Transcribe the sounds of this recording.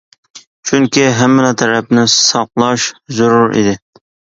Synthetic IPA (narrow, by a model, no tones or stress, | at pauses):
t͡ʃʰyŋkʲiɦɛmːɪlɑt̪ʰɛɾɛpnɪsɑqlˠɑʃzʊɾʊɾḭd̪ɪ